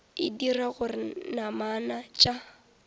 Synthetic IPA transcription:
ɪdiraɣʊrɪnamanat͡ʃʼa

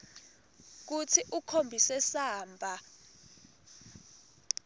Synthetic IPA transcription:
k̬ut͡sʰiʔukʰombʱisɛsaːmbʱa

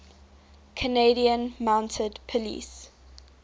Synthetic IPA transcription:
kʰəneɪɾiə̃nmãʊ̃ntʰədpʰəlḭːs

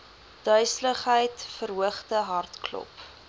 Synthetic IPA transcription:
d̥œɥsləχɦəjtfəɾɦuəχtəɦɐrtklɔ̰p

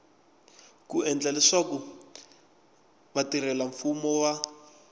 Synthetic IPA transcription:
kuɛnd͡ɮalɛʂaku | βatiɾɛlaɱfumɔwa

